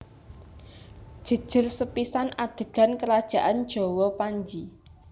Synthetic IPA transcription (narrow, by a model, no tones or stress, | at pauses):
d̥ʒ̥ə̤d̥ʒ̥ərsəpisanad̪̥ə̤ɡ̥a̤nkəɾad̥ʒ̥a̤ʔand̥d͡ʒ̥ɔ̤wɔpaɲd͡ʒi